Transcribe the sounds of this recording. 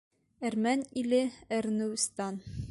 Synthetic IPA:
æɾmænilɘæɾnɘst̪ɑn

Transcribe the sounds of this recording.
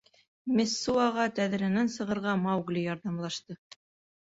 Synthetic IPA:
mʲesːuɑʁɑt̪æð̆ɾɘ̆nænsɤ̆ʁɤ̆ɾʁɑmɑwɡlʲijɑɾðɑmlˠɑʃt̪ɤ

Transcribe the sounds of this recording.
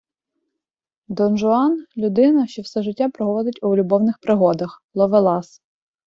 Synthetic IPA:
d̪ɔnʒʊɑnlʲʊd̪ɪnɐʃt͡ʃɔwsɛʒɪtʲːapɾɔɦɔʋɔd̪ɪtʲʊlʲʊbɔwnɪxpɾɪɦɔd̪ɐxlˠɔʋelˠɑs

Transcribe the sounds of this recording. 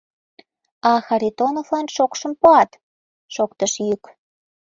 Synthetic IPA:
ɑxɑɾit̪onovlɑnʃokʃə̆mpoɑt̪ | ʃokt̪əʃjyk

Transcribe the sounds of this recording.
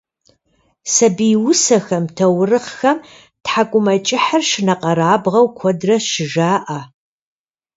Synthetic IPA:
sɐbiwʊsɐxɐmtʰɐwrɨχxɐm | tħakʷʼʊmɐt͡ʃʼɪħarʃɪnɐqʼɐɾaːbʁɐwkʷʰɔdrɐʃɪʒaːʔa

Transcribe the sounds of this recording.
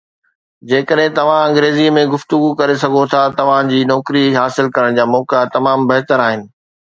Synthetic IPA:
d͡ʑeːkəɗɦɪ̃t̪ɐʋ̤ãɐ̃ŋɡɾeːzimẽɡʊft̪ʊɡukɐɾesɐɡʱot̪ʰat̪ɐʋ̤ãd͡ʑiːnɔːkɾiɦaːsɪlkɐɾəɽ̃d͡ʑaːmɔːkat̪ɐmaːmbɐɦt̪əɾaːɦɪnɪ̆

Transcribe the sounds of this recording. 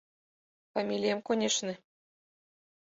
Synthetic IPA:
famʲilʲijəmkonʲeʃnĕ

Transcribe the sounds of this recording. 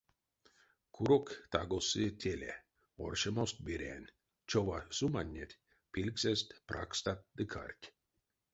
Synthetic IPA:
kʰuɾokt̪aɡosɨtʲʰelʲḛ | o̰rʲʃemost̪̚bʲiɾʲḛnʲ | t͡ʃoʋasumanʲːet̪ʲ | pʲilʲkzʲest̪prʔa̰kst̪at̪̚d̪ɨkʰa̰rʲkʲ

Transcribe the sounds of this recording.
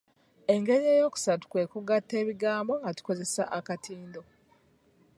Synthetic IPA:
e̞ŋɡe̞ɾieːjo̞ːku̥satu̥kwe̞ːkuɡatːe̞ːβiɡaːmbo̞ŋɡatu̥ko̞ze̞sa̰ʔakatʰiːndo̞

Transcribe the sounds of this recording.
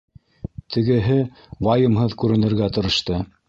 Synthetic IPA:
t̪ʰɘ̆ɡɘ̆ɦɘ | wɑjɤ̆mɦɤðkʉɾɘ̆nɘ̆ɾɡæt̪ŏɾɤ̆ʃt̪ɤ

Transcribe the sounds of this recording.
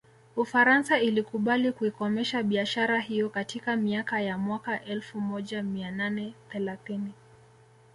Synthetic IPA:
ufaɾansailikuɓalikuikɔmɛʃaɓiaʃaɾaɦijɔkatʰikamiakajamwakaʔɛlfumɔʄamiananɛθɛlaθini

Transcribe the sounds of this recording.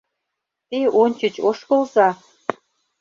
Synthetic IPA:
t̪eonʲt͡ɕət͡ɕoʃkɤ̆lzɑ

